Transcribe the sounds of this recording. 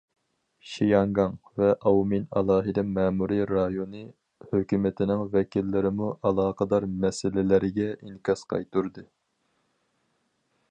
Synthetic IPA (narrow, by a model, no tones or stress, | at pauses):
ʃijɑŋɡɑŋvɛʔɑwminɑ̰lˠɑːɦɨd̪ɛmɛːmuɾiɾɑjonɨ | høkʲymɪt̪ʰɪnɪŋvɛkʲʰilːɪɾɪmuʔɑlˠɑːqəd̪ɑɾmɛsɪlɪlɪɾɪɡʲɛiŋkʲɑsqʰɑ̰jt̪uɾd̪ɨ